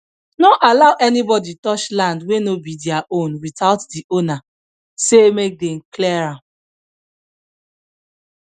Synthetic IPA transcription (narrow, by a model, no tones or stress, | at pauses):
nɔʔalaʊʔɛnibɔditɔt͡ʃlãndwenobidiaʔõnwitaʊtdiʔona | semek̚dɛm̩klɛɹãm